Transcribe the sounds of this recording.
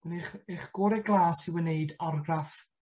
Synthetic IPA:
wɛneχeχɡ̥oːɾɛɡlˠaːsiwəneɨdɔrɡraf

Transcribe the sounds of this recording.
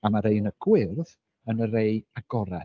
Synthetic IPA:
amaɾeɨnəɡ̥wɪrð | ənəɾeɨaɡɔɾa

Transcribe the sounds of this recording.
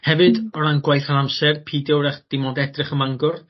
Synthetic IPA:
hɛvɨdɔɾanɡwajθanamsɛrpʰiːdjɔwɾɛχd̥ɪmɔdɛdrɪχəmaŋɡʊr

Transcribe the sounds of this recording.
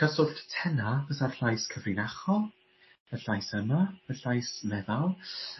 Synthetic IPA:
kʰəsʊɬttʰɛnavəsarɬajskʰəvrɪnaχɔ | əɬajsəmaəɬajsmɛðalˠ

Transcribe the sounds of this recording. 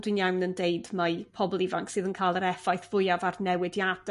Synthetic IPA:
d̥winjawnəndejdmapʰɔbɔlˠivaŋksɨːðənkʰaːlˠəɾɛfajθv̥ʊjavarnɛwɪdjad̥

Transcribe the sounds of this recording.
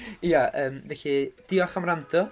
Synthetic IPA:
ijaəːmvɛɬid̥ɪɔχamrandʰɔ

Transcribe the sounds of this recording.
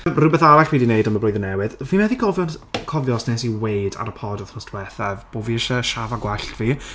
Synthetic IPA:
mrʊbɛθaɾaɬwiːdinejdanmablʊjðənɛwɨðvimɛðikʰɔvjɔnkʰɔvjɔsnɛsiwejda̰ɾəpʰɔdɔθnɔstʰwɛθɛvb̥oːviɪʃəʃavaɡwɛɬtv̥iː

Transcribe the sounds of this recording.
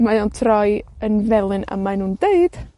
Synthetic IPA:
majɔntʰrɔjənvɛlˠɨnə̰majnuːndeɨd̥

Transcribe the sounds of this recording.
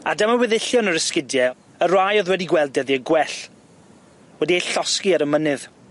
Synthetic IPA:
a̰dəmawɛðɪɬjɔnəɾəskɪdjɛ | ərajɔðwɛdiɡwɛlˠd̚dɛðiəɡwɛɬ | wɛdiejɬɔskiaɾəmənɨð

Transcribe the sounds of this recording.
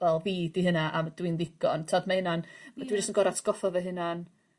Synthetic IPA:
vɛlˠviːdiɦənaʔamd̥winðɪɡ̥ɔ̰ntʰaːdmahɪnanmadwind͡ʒastənɡɔɾatʰɡ̥ɔfɔvɛɦɨnan

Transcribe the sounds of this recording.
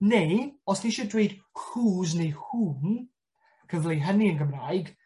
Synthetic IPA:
neɔsdiʃɔdweɨd̥huːznejhuːn | kʰəvlˠiɦəniənɡəmrajɡ

